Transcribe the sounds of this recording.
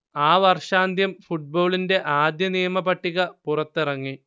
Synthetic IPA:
aːʋɐrʂaːnd̪ʱjɐmfuʈ̚bo̞ːɭinde̞ʔaːd̪jɐnijɐmɐpɐʈːiɣɐpurɐt̪ːirɐŋːi

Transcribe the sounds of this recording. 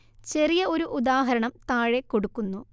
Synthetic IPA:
t͡ɕe̞rijɐo̞ɾuʔud̪aːɦɐɾɐɳɐmt̪aːɻekːo̞ɽukːunːu

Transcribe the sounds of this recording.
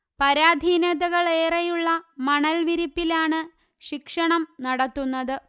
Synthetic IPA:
pɐɾaːd̪ʱiːnɐðɐɣɐɭe̞ːrɐjuɭːɐmɐɳɐlʋiɾipːilaːɳɨ | ɕikʂɐɳɐmnɐɽɐt̪ːunːɐðɨ

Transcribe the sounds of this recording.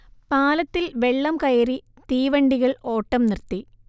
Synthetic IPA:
paːlɐt̪ːilʋeɭːɐmkɐjɐɾi | t̪iːʋɐɳɖiɣɐɭo̞ːʈːɐmnirt̪ːi

